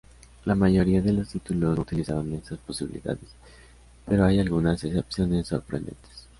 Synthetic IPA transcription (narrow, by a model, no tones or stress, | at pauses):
lamaʝo̞ɾiaðe̞lost̪it̪ulosut̪ilisaβanmensaspo̞siβilḭða̰ðes | pe̞ɾo̞ajalɣunasesepsjo̞ne̞sːo̞̰ɾpɾend̪e̞̰nt̪ʰe̥s